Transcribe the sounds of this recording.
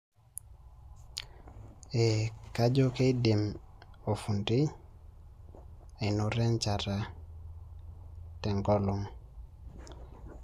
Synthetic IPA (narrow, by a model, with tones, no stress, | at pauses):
e˨ka˦d͡ʒo˦ke˦di˨mo˨fu˨nti˦ | e˨no˨ɾɛ˦nt͡ʃa˨ɾa˨ | tɛ˨ŋɡɔ˦lo˦ŋ